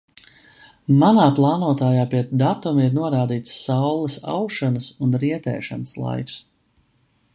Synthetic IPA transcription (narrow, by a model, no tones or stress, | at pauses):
manaːplˠaːnuɔt̪aːjaːpiɛt̪d̪at̪umiɾnuɔɾaːd̪iːt̪sːawlˠəsa̰wʃɔnəsunɾiɛt̪ɛ̰ːʃa̰nəslˠa̰jks